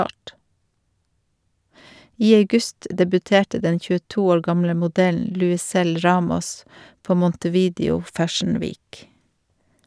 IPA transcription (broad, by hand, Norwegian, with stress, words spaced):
ˈiː ɑʉˈɡʉst dɛbʉˈteːʈə ˈdɛ çʉəˈtuː ˈoːɾ ˈɡɑmlə mʊˈdɛln lʉɪˈsɛl ˈɹɑːmɔs ˈpoː mɔntəˈʋiːdɪʊ ˈfæʃɳ̩ ˈʋiːk